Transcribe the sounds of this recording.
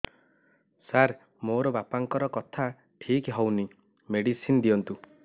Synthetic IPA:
saɾ | moɾɔbapaŋkɔɾɔkɔt̪ʰa | ʈʰikɦɔwni | meɽisind̪iɔnt̪u

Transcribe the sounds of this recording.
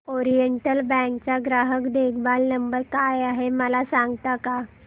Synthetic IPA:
ɔɾijəɳʈəlbɛ̃ŋkt͡ɕaɡɾaɦəkd̪ekʰbalnəmbəɾkajaɦeməlasãŋɡt̪aka

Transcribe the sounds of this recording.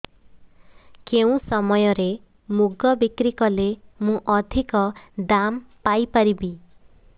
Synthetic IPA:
keũsɔmɔjɔɾe | muɡɔbikɾikɔlemũʔɔd̪ʱikɔd̪ampajpaɾibi

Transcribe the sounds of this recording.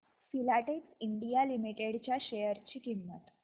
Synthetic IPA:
filaʈeksiɳɖijalimiʈeɽt͡ɕjaɕejəɾt͡ɕiːkimːət̪

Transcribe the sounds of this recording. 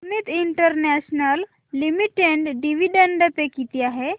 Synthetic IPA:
mit̪iɳʈəɾnɛɕnəlː | imiʈeɳɖɖiʋiɖeɳɖɖəpekit̪iaɦe

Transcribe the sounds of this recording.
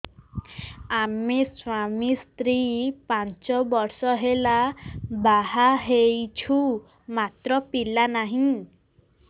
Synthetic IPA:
amiswamist̪ɾipant͡ʃɔbɔɾsɔɦelabaɦaɦejt͡ʃʰu | mat̪ɾɔpilanaɦĩ

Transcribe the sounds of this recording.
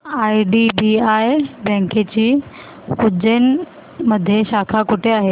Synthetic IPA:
aiɖibiajbɛ̃ŋket͡ɕiː | kud͡ʑen | məd̪ʱjeɕakʰakuʈʰeaɦe

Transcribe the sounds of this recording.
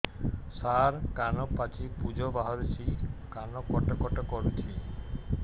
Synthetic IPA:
saɾkanɔpat͡ʃipud͡ʒʱɔbaɦɔɾt͡ʃʰikanɔkɔʈɔkɔʈɔkɔɾut̪ʰi

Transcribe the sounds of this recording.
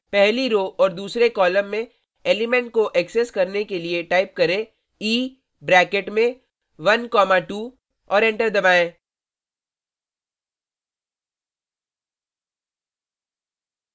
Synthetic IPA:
pɛɦliɾoːʔɔːɾd̪uːsɾekɔːlə̃mːẽ | eːlɪmɛ̃ɳʈ̚koʔɛkseskɐɾnekelieʈaːɪp̚kɐɾẽ | iː | bɾɛːkeʈmẽ | ʋɐnkɔːmaʈuː | ɔːɾɛ̃ɳʈəɾd̪ɐbaːẽː

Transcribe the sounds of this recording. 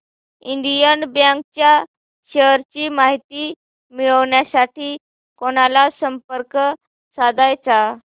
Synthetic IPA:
iɳd̪ijənbjãŋk̚t͡ɕja | ɕəɾt͡ɕiːmaɦit̪iː | miɭəʋɳjasaʈiː | koɽ̃alasəmpəɾkə | sad̪ʱajt͡sa

